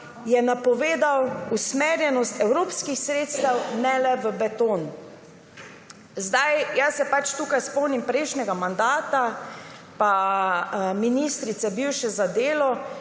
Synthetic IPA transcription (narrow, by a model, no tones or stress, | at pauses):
jɛnapɔʋeːd̪awusmeɾjɛnɔst̪ɛwɾoːpskixsɾeːt̪st̪awnɛlɛʋəbɛt̪on | zd̪ajjasɛpat͡ʃt̪uːkajspɔwnimpɾɛjʃnɛɡamand̪aːt̪apa | minist̪ɾit̪sɛbiwʃɛzad̪eːlɔ